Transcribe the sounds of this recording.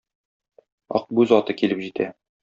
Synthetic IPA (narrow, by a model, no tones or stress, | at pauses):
ɒ̰q̚bʉzɒt̪ɤkilɘpʑit̪ʰæ